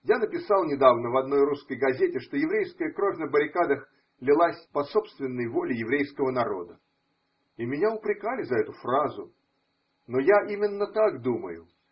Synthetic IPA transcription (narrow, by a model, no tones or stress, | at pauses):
janəpʲɪsɑlˠnʲɪd̪avnəvɐd̪no̞jruskəjɡɐzʲetʲɪʂt̪ojɪvɾʲejskəjəkɾo̞vʲnəbəɾʲɪkad̪əx | lʲɪlˠasʲpɐso̞pst̪vʲɪnːəjvo̞lʲɪjɪvɾʲejskəvənɐɾo̞̰d̪ə | imʲɪnʲaʊpɾʲɪkalʲɪzɐɛt̪ʊfrazʊ̰ | no̞jaʔimʲɪnːət̪aɡd̪umə̰jʊ̰